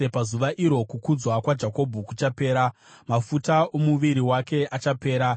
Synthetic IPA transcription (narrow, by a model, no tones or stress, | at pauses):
epazuʋaʔiɾo̞kukud͡zwakwad͡ʒako̞bʱukut͡ʃape̞ːɾa | mafutaomuʋiɾiwake̞ʔat͡ʃape̞ːɾa